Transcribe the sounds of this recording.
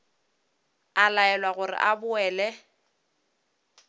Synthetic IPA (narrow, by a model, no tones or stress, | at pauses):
alaɛlwaɣʊrɪ̰ʔabʊɛːlɛ